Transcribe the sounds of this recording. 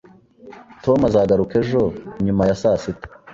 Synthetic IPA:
tomazaːɡaɾuke̞ʒo̞ɲumajasaːsitḁ

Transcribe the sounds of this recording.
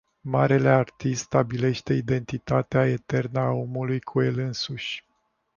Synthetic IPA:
maɾe̞le̞art̪ist̪st̪abile̞ʃt̪e̞id̪e̞nt̪it̪at̪eae̞t̪e̞rnəao̞mulujkʰue̞lɨnsuʃʲ

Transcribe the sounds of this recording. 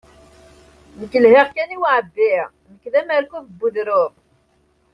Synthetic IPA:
nəkːəlheʁkæniwaʕbːiʁ | məkːðæmæɾkʷuðbːuðɾʊʁ

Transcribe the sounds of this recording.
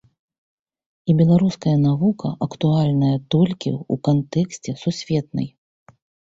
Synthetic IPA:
ibʲɛlˠaɾuskɐjɐnavukʰɐ̰ʔɐkt̪ualʲnɐjɐt̪ɔlʲkʲḭṵkant̪ɛksʲt͡sʲɛsusʲvʲɛt̪̚nɨ̰j

